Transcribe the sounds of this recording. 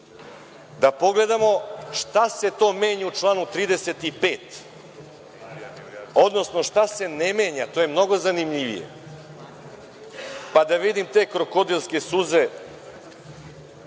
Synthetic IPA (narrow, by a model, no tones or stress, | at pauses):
d̪apo̞ɡle̞d̪amo̞ʃt̪ase̞t̪o̞ːme̞ːɲaut͡ʂlˠaːnut̪ɾiːd̪ese̞t̪ipe̞ːt̪ | o̞d̪no̞sno̞ʃt̪ase̞nemeːɲat̪oːjemno̞ɡo̞zanimʎiʋḭjḛ | pad̪aʋid̪imt̪e̞ːkɾoko̞d̪ilˠske̞suze